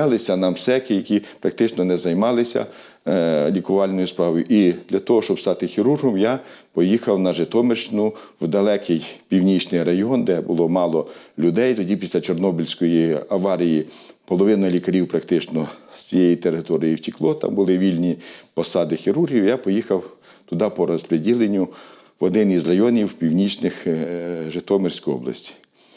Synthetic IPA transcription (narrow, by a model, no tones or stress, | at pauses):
ɪlˠɪsʲɐnɐmsɛkɪjɐkʲipɾɐk̚t̪ɪt͡ʃnɔnɛzɐjmɑlˠɪsʲɐ̰ | lʲikʊʋɑlʲnɔjʊspɾɑʋɔjʊʔid̪lʲɐt̪ɔɦɔʃt͡ʃɔbst̪ɑt̪ɪxiɾurɦɔmjapɔjixɐwnɐʒet̪ɔmeʃt͡ʃt͡ʃnʊwd̪ɐlˠɛkʰɪjpʲiwnʲit͡ʃnɪjɾɐjɔnd̪ɛbʊlˠɔmɑlˠɔlʲʊd̪ɛjt̪ɔdʲipʲislʲɐt͡ʃɔrnɔbʲilʲsʲkɔjiɐʋɑɾʲijipɔlˠɔʋɪnɐlʲikɐɾʲiwpɾɐkt̪ɪt͡ʃnɔst͡sʲijɛjit̪eɾɪt̪ɔɾʲijiwtʲiklˠɔt̪ɑ̰mbʊlˠɪʋʲilʲnʲipɔsɑd̪ɪxʲiɾurɦʲiwjapɔjixɐw | t̪ʊd̪ɑpɔɾɔspɾedʲilˠenʲːʊ | ʋɔd̪ɪnizrɐjɔnʲiwpʲiwnʲit͡ʃnɪxʒet̪ɔmersʲkʊjɔ̰blˠɐ̰sʲtʲi̥